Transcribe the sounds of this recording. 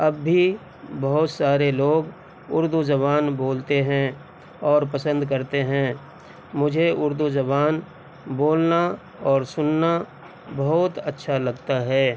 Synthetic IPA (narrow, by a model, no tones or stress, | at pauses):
ɐbːi | bɐɦʊt̪saːɾeloːɡ | ʊ̰ɾd̪ud͡ʒɐbaːnboːlt̪eɦɛ̃ | ɔːɾpɐsə̃nd̪kɐɾt̪eɦɛ̃ | mʊd͡ʒʱeʊɾd̪ud͡ʒɐβaːn | boːlna | ɔːɾsʊnːa | bɐɦʊt̪ɐtːʃʰalɐɡt̪aɦɛː